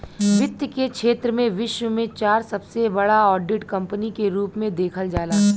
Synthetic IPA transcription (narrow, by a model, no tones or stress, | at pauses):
ʋɪt̪jəkekʃʰeːt̪ɾəmẽʋɪʃwəmẽt͡ʃaːɾsɐbsebɐɽaɔːɖɪʈkɐ̃mpənikeɾuːpmẽd̪eːkʰəld͡ʒaːlaː